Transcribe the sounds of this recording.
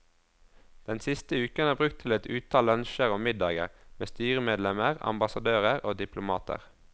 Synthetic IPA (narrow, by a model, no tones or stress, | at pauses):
d̪̥ɛnsɪst̪əʉːkənæːʁbʁʉk̚t̪ʰɪlɛt̪ʉːt̪ʰɑːlœnʃəʁɔmmɪd̪ɑːɡə̰ʁmeːst̪yːʁəmeːd̪lɛməʁɑ̰mbɑsɑd̪øːʁəʁoːd̪ɪpʰlʊmɑːt̪ʰə̰ʁ